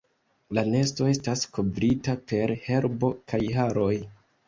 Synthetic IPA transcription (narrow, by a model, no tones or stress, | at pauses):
lane̞sto̞e̞stasko̞bɾitape̞ɾhe̞ɾbo̞kajɦaɾo̞j